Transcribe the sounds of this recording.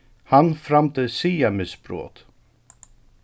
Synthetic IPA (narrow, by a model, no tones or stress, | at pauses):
hɑnfɾamt̪əsiːamɪsbɾo̰ːt̪